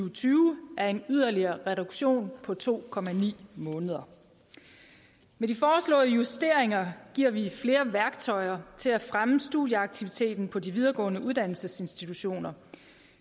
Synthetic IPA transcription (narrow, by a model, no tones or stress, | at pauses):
ʊt͡sʰyːʊʔæɐe̝nyð̞̰ˠɐliɐːʁɛɾuɡ̥ɕo̝̰ːnpʰɒ̽t͡sʰo̝̰ːkʰɒ̽mænḭːmɔ̽ːnəð̞ˠɐ | medifɒːslɔ̰̽ːðˠəjusd̥e̝ɐeŋɐɡ̥iɐ̰ʋifle̝ːɐʋæɐɡ̥t͡sʰɒ̽ɪɐt͡sʰe̝læfʁaməsd̥uðˠjəɑ̈ɡ̥̚t͡sʰiʋit͡sʰe̝̰ːd̥n̩pʰɒ̽diʋið̞ˠɐɡ̥ɔ̰̽ːnəuð̞ˠd̥æn̰l̩səse̝nsd̥it͡sʰuɕo̝̰ːnɐ